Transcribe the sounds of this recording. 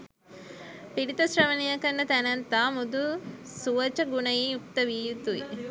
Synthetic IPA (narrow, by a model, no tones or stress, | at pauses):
piɽit̪ɐsɾɐʋɐnijɐkɐnːɐt̪ɐnɐnt̪aːmud̪usuʋɐt͡ʃɐɡunɐjiuk̚t̪ɐʋiːjut̪ui